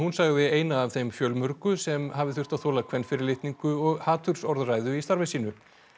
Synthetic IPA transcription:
hunsaɣðɪeːjnaːvθejmfjœːlmœɾkʏsɛmɦavɪθʏr̥t̪aðθoːlakʰvɛnːfɪɾɪlɪht̪niŋkʏɔɣhaːt̪ʰʏɾ̥sɔɾðraːjðʏist̪aɾvɪsiːnʏ

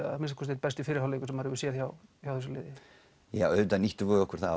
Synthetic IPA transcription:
amɪnstkʰɔst̪ːejt̪̚pɛst̪ɪfɪːɾɪɾhawlekʏ̥sɛmːaɾʏvɪsjɛðçawçawθɛs̬ʏlɪ̰ːðɪ | ja̰ːœːt̪aniht̪ʏvɔɔhkʏɾ̥θa

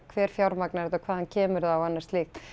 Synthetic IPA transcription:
kʰvɛːɾ̥fjawɾmaknaɾɛt̪akʰvaːðhancʰɛːmʏɾðawanːḁst̪lixt̪

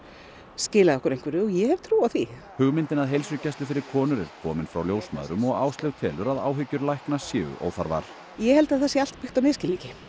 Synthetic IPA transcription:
scɪːlaðɔhkʏɾejŋ̥kvɪɾɪɔjɛhɛv̥t̪ʰɾuːwawθi | hʏɣmɪnt̪ɪnaðɦejlsʏcajst̪ʏfɪɾɪɾ̥kʰɔːnʏɾɛɾ̥kʰɔːmɪnfɾa̰wljoːwsma̰ːðɾʏmɔɣaːwst̪ɛɣt̪ʰɛːlʏɾaða̰ːwɦʏcːʏɾlajhknasjɪːɣʏ̰ʔo̰ːwθa̰ɾva̰ɾ̥ | jɛhɛlt̪aðθɛsjɪal̥t̪pɪxt̪awnɛːðscɪlicɪ

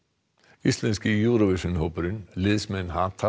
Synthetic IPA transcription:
ist̪lɛnscɪjuːɾɔvɪsʏnɦowpʏɾʏnlɪðsmɛnɦat̪ʰa

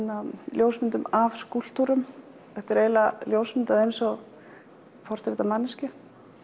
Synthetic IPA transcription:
naljoːwsmɪnt̪ʏmavskul̥t̪uɾʏm | θɛht̪aɾeːjlaljowsmɪnt̪aðejnsɔɣ | pɔr̥t̪ɾɪt̪amanːɪscɪ

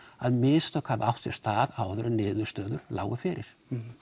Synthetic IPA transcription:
aðmɪːst̪œkʰhavʔawht̪fɛɾst̪aːðaːwðʏɾʏnɪːðʏst̪œːðʏɾ̥la̰ːwʏfɪɾɪɾ̥

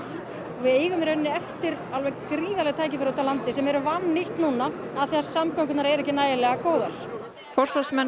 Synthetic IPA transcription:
ɔvɪðeːjɣʏmɾenːɪɛft̪ɪɾ | alvɛɣkɾiːðalɛɣt̪ʰaːjcɪfɪɾt̪alant̪ɪsɛmɛɾʏvanːɪht̪nuːna | aðθiɛaɾsamkaŋk̬ʏt̪naɾɛɾɛhcːɪnaːjɪlɛɣakoːwðaɾ̥ | fɔr̥sɔsmɛ

